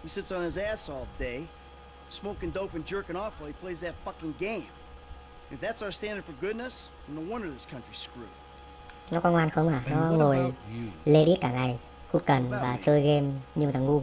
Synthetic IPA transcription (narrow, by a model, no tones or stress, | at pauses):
hisɪtsn̩ɨzæsɔlˠtd̥eɪ | smoʊkɨ̃ndoʊpɨ̃nd͡ʒɜ˞kɨ̃nɔflˠipʰl̥eɪzðɨtfʌkɪ̃ŋɡẽɪ̃m | nɨfðætsaʊə˞stæ̃ndə˞d̥fə˞ɡʊdⁿnɨs | n̩ðəwʌ̃nə˞ðɪskʰʌ̃nt͡ʃɹ̥iskɹʉ̰ | nɔkɔnŋwaːnxəwŋ͡mʔaːnɔŋojleɗiət̚kaːŋaj | xut̚kənvaːt͡ɕəːjɣemɲɨmʰaŋːu